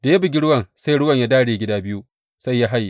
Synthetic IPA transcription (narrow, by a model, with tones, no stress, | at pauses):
d̥a˨ja˦bɪ˨ɡʲi˦ɽʊ˦wɐ˨ŋsa˦jɽʊ˦wɐ˨ɲja˦daː˦ɽeː˨ɡʲɪ˦daː˦bɪ˦ju˦ | sa˦jja˦ɦa˦jːi˨